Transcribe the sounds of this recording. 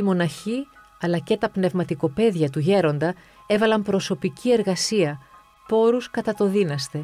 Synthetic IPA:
imo̞nɐçi | ɐlɐce̞t̪ɐpne̞vmɐt̪iko̞pe̞ðʝɐt̪uʝe̞ɾo̞nd̪ɐ | e̞vɐlɐmpɾo̞so̞picie̞ɾɣɐsiɐ | po̞ɾuskɐt̪ɐt̪o̞ðinɐst̪e̞

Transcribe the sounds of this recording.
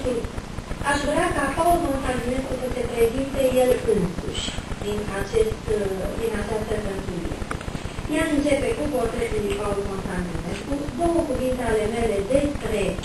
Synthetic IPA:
t̪u | aʃvɾeakapaulmo̞nt̪and̪ine̞skusəse̞pɾe̞zint̪e̞je̞lɨnsṵʃʲd̪inat͡ʃe̞st̪d̪inat͡ʃast̪əkənt̪ilḭḛjeaʃɨnt͡ʃe̞pe̞kupo̞rt̪ɾet̪ulipaulmont̪and̪ineskɾud̪o̞wəkuvint̪eale̞me̞le̞d̪e̞spɾe̞

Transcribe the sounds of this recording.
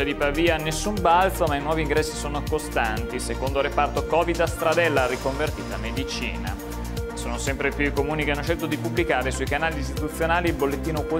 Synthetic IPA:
ad̪ipaviːaːnːesːumbalt̪somainwɔːviːŋɡɾɛsːisoːnokost̪ant̪isekond̪oɾepart̪okɔːvid̪ast̪ɾad̪ɛlːaɾikoɱvert̪ḭːt̪amed̪it͡ʃḭːna̰ | soːnosɛmpɾepjuikomuːnikeanːoʃelt̪od̪ipubːlikaːɾesuikanaːlist̪it̪ut̪sːjonaːlilbolːet̪ːiːnoko

